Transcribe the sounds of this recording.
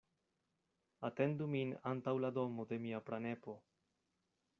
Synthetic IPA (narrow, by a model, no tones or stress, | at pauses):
ate̞nd̪uminantawlado̞mode̞miapɾane̞po̞